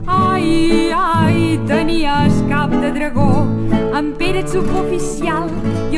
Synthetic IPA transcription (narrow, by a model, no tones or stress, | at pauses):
ajajt̪əniəskap̚d̪əd̪ɾəɣoəmpeɾət͡sukofisialˠ | j